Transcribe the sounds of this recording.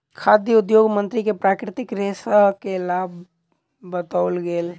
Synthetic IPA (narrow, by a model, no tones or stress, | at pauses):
kʰaːd̪jəʊd̪joːɡmə̃nt̪ɾikepɾaːkɾɪt̪ɪkɾesaɦkelaːbʱ | bət̪aʊlɡel